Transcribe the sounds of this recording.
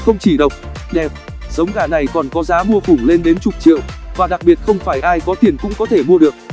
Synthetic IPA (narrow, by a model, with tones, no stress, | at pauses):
xə˧wŋ͡mt͡ɕi˧˩ɗə˨˩wk͡p̚ɗɛ˨˩p̚ | zə˨˦wŋ͡mɣaː˧˩na˨˩jkɔ˨˩nkɔ˨˦zaː˨˦mu˧əfʊ˧˩ŋ͡mle˧nɗe˨˦nt͡ɕʊ˨˩k͡p̚t͡ɕḭ˧˨əwvaː˨˩ɗa˨˩k̚ɓi˨˩ət̚xə˧wŋ͡mfaː˧˩jʔaː˧jkɔ˨˦t̪ʰi˨˩ənkʊ̰˧˥ŋ͡mkɔ˨˦t̪ʰe˧˩mu˧əɗɨ˨˩ək̚